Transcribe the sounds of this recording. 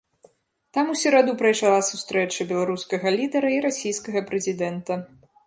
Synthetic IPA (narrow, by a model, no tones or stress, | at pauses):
t̪amusʲɛɾad̪upɾɐjʂalˠasust̪ɾɛt͡ʂɐbʲɛlˠaɾuskɐɣɐlʲid̪ɐɾɐiɾasʲijskɐɣɐpɾɛzʲid̪ɛnt̪ɐ